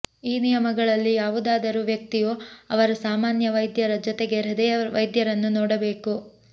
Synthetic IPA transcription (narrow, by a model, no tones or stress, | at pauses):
iːnijɐmɐɡɐɭɐlːijaːʋud̪aːd̪ɐɾuʋjɐk̚t̪ijoːɐʋɐɾɐsaːmaːnjɐʋɐjd̪jɐɾɐd͡ʒɔt̪eɡeɾɐd̪ɛʋɐjd̪jɐɾɐnːunɔːɽɐbe̞ːku